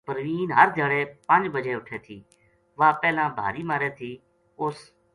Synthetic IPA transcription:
pəɾʋiːnɦəɾd̪ʱaːɽeːpənd͡ʒbəd͡ʒeːʊʈʰeːt̪ʰiː | ʋãːpɛːlãːbʱa̰ːɾiːmaːɾeːt̪ʰiː | ʊs

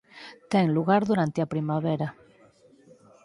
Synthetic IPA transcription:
t̪eŋluɣaɾðuɾant̪eapɾimaβeɾa

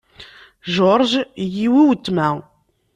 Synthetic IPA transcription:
ʒoɾˤʒjiwiwət̪ːmæ

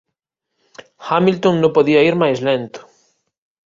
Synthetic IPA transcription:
xamilt̪õŋnõpoðiaiɾmajslẽnt̪o̥

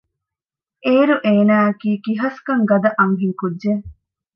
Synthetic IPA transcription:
eːɾuʔeːnaːɐkiːkiɦɐskɐŋɡɐd̪ɐʔɐŋɦiŋkudːe

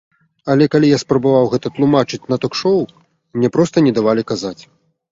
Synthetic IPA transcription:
ɐlʲɛkalʲijaspɾɐbavawɣɛt̪ɐt̪lˠumat͡ʂɨt͡sʲnɐt̪ɔkʂɔw | mnʲɛpɾɔst̪ɐnʲɛd̪avalʲikazat͡sʲ

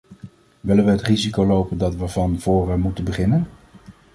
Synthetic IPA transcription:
ʋɪlənʋəɦətrizikolowpəndɑtʋəvɑnv̥ʊːrəmutənbəχɪnən

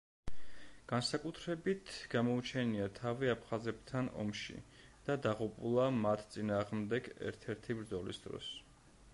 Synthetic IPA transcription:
ɡ̥ansakʼut̪ʰɾɛbit̪ʰɡ̥amɔut͡ʃʰɛniat̪ʰaviapʰχazɛp̚t̪ʰanɔ̰mʃḭ | d̪̥ad̪aʁupʼulˠamat̪ʰt̪sʼinaːʁmd̪ɛɡɛ̰ɾt̪ʰɛɾt̪ʰibɾd̪zɔlḭsd̪̥ɾɔ̰s

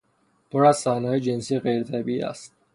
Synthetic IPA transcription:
pʰoɾæzsæːhnɒːjed͡ʒensiːeɣejɾet̪ʰæbiḭæ̰st̪̚

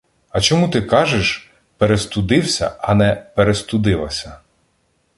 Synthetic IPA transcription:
ɐt͡ʃɔmut̪ɪkɑʒeʃ | peɾest̪ʊd̪ɪwsʲɐ̰ɐnɛpeɾest̪ʊd̪ɪlˠɐ̰sʲɐ

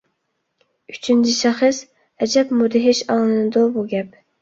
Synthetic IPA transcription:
yt͡ʃʰynt͡ʃʰiʃɛχəs | ɛd͡ʒɛpmud̪ɪɦɪʃɑŋlˠɨnɨd̪ʊbuɡʲɛp̚

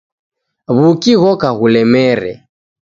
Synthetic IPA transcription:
βukiɣɔkaɣulɛmɛɾɛ̰

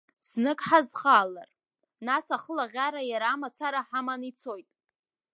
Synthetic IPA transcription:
z̥nɨkʼħazχaːlar | nasaχəlaʁʲaɾajaɾaːmat͡sʰaɾaħamanit͡sʰo̞jtʼ

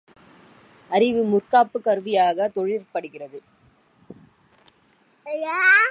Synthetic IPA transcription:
ɐɾɪʋɯmʊrkaːpːɯkːɐɾʋɪjaːɣɐt̪ɔɻɪrpɐɽɯɣɪrɐðɯ | ja

